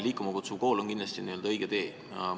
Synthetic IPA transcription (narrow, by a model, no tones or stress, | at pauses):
liːkːˑumɑkut̪suvko̞ːlonkind̪lɑst̪ʲinije̞ld̪ɑɤ̞jɡ̥et̪e̞ː